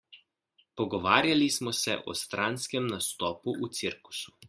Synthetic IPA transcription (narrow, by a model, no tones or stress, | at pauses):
pɔɡɔʋaːɾjalismɔsɛ̰ʔɔ̰st̪ɾanskɛmnast̪ɔːpuʔut̪siɾku̥su̥